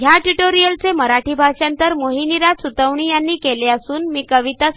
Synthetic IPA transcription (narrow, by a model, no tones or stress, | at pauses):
ɡʱjaʈuʈoɾijəlt͡seməɾaʈiːbʱaʂant̪əɾmoɦiniɾad͡zsut̪əʋɳiːjanːiːkeleəsuːnmiːkəʋit̪a